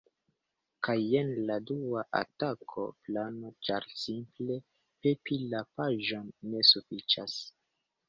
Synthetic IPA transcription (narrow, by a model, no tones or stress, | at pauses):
kajenladuaʔa̰takʰo̞̰plano̞t͡ʃaɾsimple̞ | pepilapaʒo̞nːe̞sufit͡ʃas